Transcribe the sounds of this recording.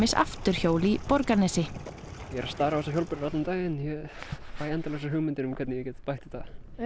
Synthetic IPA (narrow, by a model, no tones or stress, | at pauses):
ɪsa̰ft̪ʏɾ̥çoːwlipɔɾkanɛsɪ | jɛɾaðst̪aːɾavɛs̬açowlpʏɾɾat̪lamt̪aːjɪnjɛpaːjɛnt̪alɛsaɾɦʏɣmɪnt̪ɪnʏmkʰɛt̪nɪjɛcɛːt̪pajht̪ɪ̥θa